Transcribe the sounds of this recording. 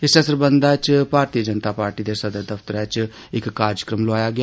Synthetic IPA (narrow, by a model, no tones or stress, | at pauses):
ɪsəsəɾbənd̪aːt͡ʃbʱaːɾt̪iːəd͡ʒənt̪aːpaːɾʈiːd̪eːsəd̪əɾd̪əft̪əɾɛːt͡ʃ | ɪkːaːɾjəkɾəmloaːjaːɡɪjaː